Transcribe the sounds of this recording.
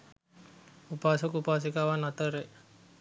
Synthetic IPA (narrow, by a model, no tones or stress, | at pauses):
upasukupas̬ikawanat̪əɾe